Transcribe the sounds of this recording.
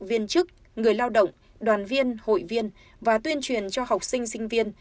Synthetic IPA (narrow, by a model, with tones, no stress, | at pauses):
vi˧ənt͡ɕɨ˦˥k̚ | ŋɨ˨˩əjlaː˧wɗə̰˧˨wŋ͡m | ɗwaː˨˩nvi˧ənho̰˧˨jvi˧ən | vaː˨˩t̪wi˧ənt͡ɕwi˨˩ənt͡ɕɔ˧ha˨˩wk͡p̚sï˧ŋ̟sï˧ŋ̟vi˧ən